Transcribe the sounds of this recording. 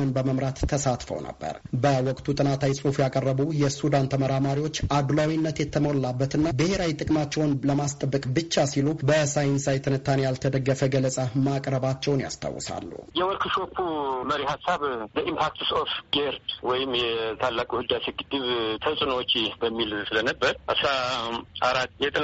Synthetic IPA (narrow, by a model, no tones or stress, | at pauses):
ənbəməmɾat̪ʰːəsat̪fə̰wnə̰bːə̰ɾbəwɔkʼt̪ʰut̪ʼɨnat̪ʰawisʼufjakʼərːəβujɛsud̪ant̪ʰəməɾamaɾiwo̞t͡ʃːʔad̪lawinːət̪jɛt̪ʰːəmollabːət̪ɨnːabɨheɾawit̪ʼɨkʼmat͡ʃːɛwnləmast̪ʼəbːəkʼbɨt͡ʃːasilubəsajɪnsajt̪ʰɨnɨt̪ʰːanejalt̪ʰəd̪əɡːəfəɡələsʼamakʼɾəβat͡ʃːɛwnja̰st̪ʰa̰wːɔ̰sa̰lːṵhjɛwɔlkʰɨʃo̞pʰːuməɾihasːaβd̪əʔimpʰak̚t̪ʰsofɡeɾd̪wɔjɪmjɛt̪ʰalːakʼuhɨd̪aseɡɨd̪ːɨβt̪ʰəsʼnoot͡ʃʼːibəmːilsɨlənəbːəɾʔɨsɾaʔaɾat̪ːjɛt̪ʼɨ